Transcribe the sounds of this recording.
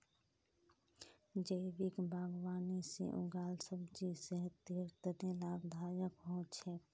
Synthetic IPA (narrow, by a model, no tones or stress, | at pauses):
d͡ʒəɪʋɪkbʱaːɡwaːnisḛʔʊ̰ɡaːlsəbd͡ʒisəɦət̪əɾt̪ənelaːɡd̪ʱaːjəkɦõːt͡ʃʰɛː